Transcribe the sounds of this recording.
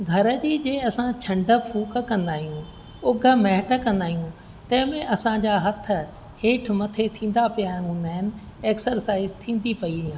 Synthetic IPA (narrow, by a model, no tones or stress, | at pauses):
ɡʱɐɾə̆d͡ʑiːd͡ʑeːɐsãt͡ɕʰɐ̃ɳɖə̆pʰuːkkɐ̃nd̪aːɦijũ | ʊɡʱə̆mɛɦɪʈə̆kɐ̃nd̪aːɦijũ | t̪ɐ̃ɦɪ̃mẽʔɐsãd͡ʑaːɦɐt̪ʰə̆ | heːʈʰmɐt̪ʰet̪ʰĩːn̆d̪apijãɦũːn̆d̪aːɦɪnɪ̆eːksəɾsaːɪzt̪ʰĩːn̆d̪ipɐiiãː